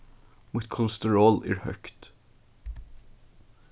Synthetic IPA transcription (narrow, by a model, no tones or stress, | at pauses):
mʊt̪kʰɔləst̪əɹoːlæ̰ːɹhœ̰kt̪